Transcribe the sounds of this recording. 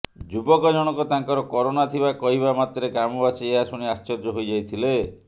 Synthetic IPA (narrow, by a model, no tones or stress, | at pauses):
d͡ʒubɔkɔd͡ʒɔɽ̃ɔkɔt̪aŋkɔɾɔkɔɾonat̪ʰibakɔɦiβamat̪ɔɾekamɔbasieɦasuɽ̃iast͡ʃɔɾd͡ʒɔɦojd͡ʒajt̪ʰile